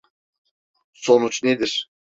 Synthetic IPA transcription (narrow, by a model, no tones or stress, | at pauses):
so̞nut͡ʃned̪iɾ̥